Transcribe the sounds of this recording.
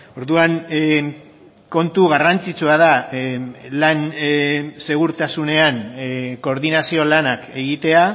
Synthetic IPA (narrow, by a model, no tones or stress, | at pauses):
o̞ɾðuan | ko̞nt̪uɣarant͡sit͡suaða | lan | se̞ɣ̞uɾt̪asune̞anko̞ːɾðinasio̞lanake̞ɣit̪e̞a